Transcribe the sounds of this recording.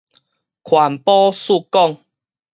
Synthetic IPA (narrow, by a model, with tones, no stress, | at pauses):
kʰwa˨˩npɔ˦su˥˧kɔ˥˧˨ŋ